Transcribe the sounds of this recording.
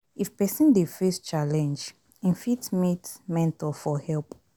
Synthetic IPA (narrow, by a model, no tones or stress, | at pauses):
ifpɛsə̃ndefɛst͡ʃalɛ̃nd͡ʒ | ĩnfitmitmɛ̃ntalfɔhɛlp